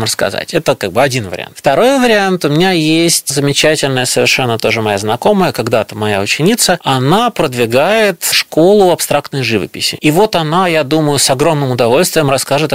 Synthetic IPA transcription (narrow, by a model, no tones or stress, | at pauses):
mɾəskɐ̰za̰tʲɛt̪əkaɡ̚bɨɐdʲinvə̰ɾʲɪ̰a̰nt̪ft̪ɐɾo̞jvəɾʲɪant̪ʊmʲɪnʲajesʲtʲzəmʲɪt͡ɕætʲɪlʲnəjəsəvʲɪ̰rʂɛnːət̪o̞ʐɨmɐjaznɐko̞məjəkɐɡd̪at̪əmɐja̰ʊt͡ɕɪnʲit̪səɐnapɾəd̪vʲɪɡajɪt̪ʂko̞lˠʊɐpst̪ɾakt̪nəjʐɨvə̰pʲɪ̰sʲɪ̰ivo̞t̪ɐnajad̪uməjʊsɐɡɾo̞mnɨmʊd̪ɐvo̞lʲst̪vʲɪjəmɾɐskaʐɨt̪